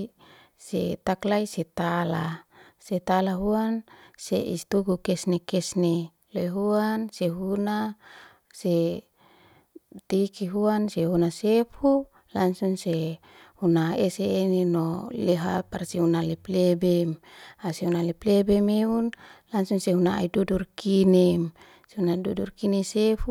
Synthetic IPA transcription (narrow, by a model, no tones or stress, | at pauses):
sḛt̪aklaiset̪ala | set̪alaɦuansḛʔḭst̪uɡukɛsnekɛsne | lejɦuanseɦuna | se | t̪ikiɦuanseɦunasefu | laŋsuŋse | hunaeseːninoleɦaparsiunaleplebemaseunaleplebemeunlaŋsuŋseɦuna̰idudurkinem | seunadudurkinesefu